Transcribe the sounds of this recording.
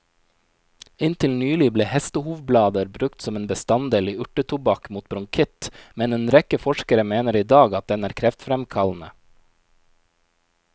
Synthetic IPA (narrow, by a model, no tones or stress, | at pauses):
ɪnt̪ʰɪlnyːlɪbleːhɛst̪əhuːʋblɑːd̪əɾbɾʉkt̪sɔmeːnbəst̪ɑnd̪eːliːʉʈət̪ʰʊbɑkmuːt̪̚bɾʊŋkʰɪt̪mɛneːnɾɛkəfɔʃkəɾəmeːnəɾiːd̪ɑːɡɑt̪̚d̪ɛnæːɾkʰɾɛft̪fɾɛmkʰɑln̩ə